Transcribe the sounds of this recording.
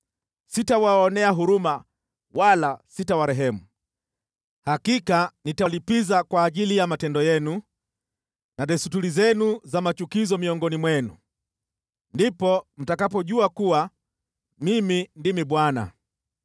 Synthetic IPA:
sitawaɔnɛaɦuɾuma | walasitawaɾɛɦɛmu | hakikanitalipizakwaːʄilijamatɛndɔjɛnu | naɗɛsutulizɛnuzamat͡ʃukizɔmiɔŋɡɔnimwɛnṵ | ndipɔm̩takapɔʄuakuwa | mimindimiɓwana̰

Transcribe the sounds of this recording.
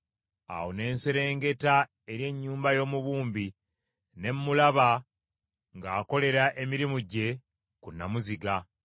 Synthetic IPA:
a̰wone̞ːnse̞ɾe̞ːŋɡe̞ta | e̞ɾje̞ɲːuːmbajo̞ːmuβuːmbi | ne̞mːulaβa | ŋɡaːko̞le̞ɾaʔe̞miɾimuɟe̞ | kunːamuziɡa

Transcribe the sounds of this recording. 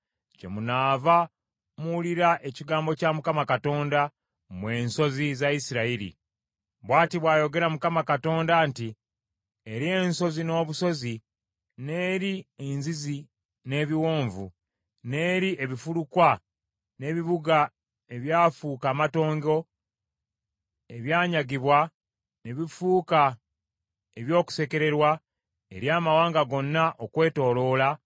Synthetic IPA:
ce̞̰munaːva | muliɾaʔe̞ciɡaːmbo̞camukamakato̞ːnda | mwe̞ːnso̞zizaisiɾaiɾḭ | βwaːtiβwaːjo̞ɡe̞ɾamukamakato̞ːndanti | eɾie̞nso̞zino̞ːβuso̞zi | ne̞ːɾienzizi | ne̞ːβiwo̞ːɱvṵ | ne̞ːɾiʔeβifulukwa | ne̞βiβuɡa | e̞βjaːfuːkaːmato̞ːŋɡo̞ | e̞βjaːɲaɡiβwa | ne̞βifuːka | eβjo̞ːku̥se̞ke̞ɾe̞ɾwa | ḛɾjaːmawaːŋɡaɡo̞nːaʔokwe̞ːto̞ːlo̞ːla

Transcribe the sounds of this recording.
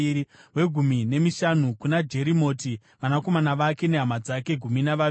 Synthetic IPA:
iwe̞ɡʱumine̞miʃan̤ukunad͡ʒe̞ɾimo̞ːti | ʋanako̞manaʋake̞ne̞ɦamad͡zake̞ɡʱuminaʋa

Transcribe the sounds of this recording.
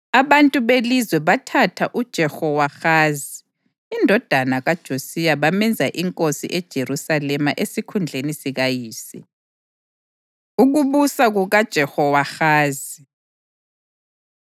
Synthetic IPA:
aβantʼuβelizwɛβatʰatʰaʔud̥ʒ̥ʱɛxɔwaxaːziː | ndʱɔd̥ʱanaɣad̥ʒ̥ʱosijaβamɛnd͡zʱaʔiŋkʼosḭʔɛd̥ʒ̥ʱerusalɛmaʔesikʰund͡ɮʱenisiɣajiːsḭ | uɣuβusaɣuɣad̥ʒ̥ʱɛhɔwaxaːzi

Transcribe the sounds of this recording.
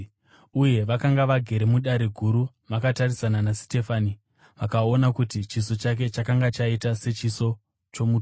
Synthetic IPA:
uje̞ʋakaŋɡaʋaɡʱe̞ɾe̞muɗaɾe̞ɡʱuɾu | ʋakatarisananasi̥te̞faːni | ʋakao̞nakutit͡ʃiso̞t͡ʃak̬e̞t͡ʃakaŋɡat͡ʃaitase̞t͡ʃiso̞ | t͡ʃo̞mu

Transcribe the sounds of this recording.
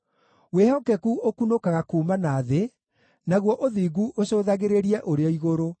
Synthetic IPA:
wehɔkɛkuʔokunokaɣakuːmanaːðe | naɣwɔʔoðiːɡuʔoɕoðaɣeɾeɾiɛʔoɾeɔiɣoɾo

